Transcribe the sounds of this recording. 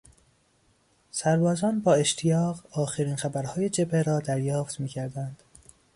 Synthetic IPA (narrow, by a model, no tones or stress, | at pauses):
sæɾbɒːzɒːnbɒːe̞ʃt̪ʰijɒːɣɒːxeɾiːnxæbæɾhɒːje̞d͡ʒe̞bʰeɾɒːd̪æɾjɒːft̪miːcʰæɾd̪ænd̪̥